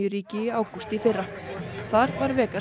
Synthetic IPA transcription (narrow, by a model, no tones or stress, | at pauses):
ʏɾiːcɪiaːwkust̪ifɪrːa | θaɾvaɾvɛːka